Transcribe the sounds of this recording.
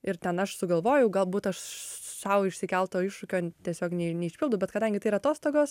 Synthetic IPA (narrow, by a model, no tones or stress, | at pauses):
ɪɾtʲɛnɐʃsʊɡɐlˠʋoːjɛʊɡɐlˠbuːt̪ɐʃsɐʊɪʃʲsʲɪkʲɛlˠt̪oːɪʃʊkʲoːt̪ʲiɛsʲoːknʲɛnʲɛɪʃʲpʲɪlˠd̪ʊbʲɛt̪kɐd̪ɐŋʲɡʲɪt̪ɐɪiɾɐt̪oːst̪oːɡoːs